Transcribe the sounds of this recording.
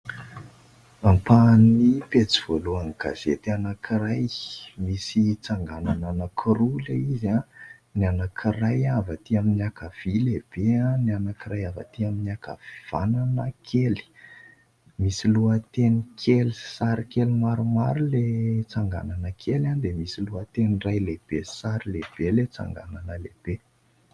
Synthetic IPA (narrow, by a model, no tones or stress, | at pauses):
ampanipet͡siv̥oluaŋɡ̥a̰z̥et̪anakʰirajmisit͡saŋɡanananəkʰiɾulaizananakʰirajavat̪iaminakav̥ileb̥eãnianakirajavə̰t̪iaminiaka̰viv̥ananəkʰeli̥ | misiluət̪enikʰelisaɾikelimaɾumaɾulet͡saŋɡa̰nanəkʰeland̪emisiluət̪enirajleb̥esaɾileb̥elet͡sa̰ŋɡa̰nanəleb̥e